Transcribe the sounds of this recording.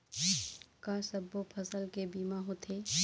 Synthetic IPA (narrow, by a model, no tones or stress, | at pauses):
kasəbːopʰɐsəlkebiːmaɦot̪ʰeː